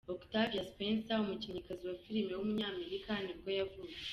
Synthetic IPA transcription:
oktavjaspensaumuciɲikaziwafiɾimewomuɲaːme̞ɾikaniɡojavuːje̥

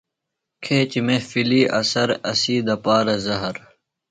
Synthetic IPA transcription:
kʰeːt͡ɕmefiliːʔɐ̰sɐɾɐsiːd̪ɐpaːɾɐzɐɦɐɾ

